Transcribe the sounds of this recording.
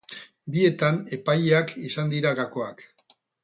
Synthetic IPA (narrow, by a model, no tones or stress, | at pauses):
bie̞t̪ane̞pajeakisand̪iɾaɣako̞ak